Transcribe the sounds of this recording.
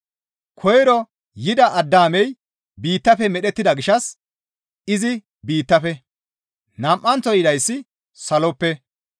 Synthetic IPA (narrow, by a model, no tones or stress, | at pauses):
kʰɔjɾɔ | jɪd̪ɐʔɐd̪ːaːmɛj | biːt̪ːɐfɛmɛɗɛt̪ːɪd̪ɐɡɪʃɐs | ɪzɪ | biːt̪ːɐfɛ | nɐmʔːɐnt͡sɔjɪd̪ɐjsːɪ | sɐlɔpːɛ